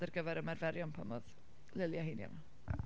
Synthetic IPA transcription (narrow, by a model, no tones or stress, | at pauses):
d̥ɛrɡəvɛɾəmɛrvɛɾjɔnpʰamɔð | lɪlˠjahinja̰ma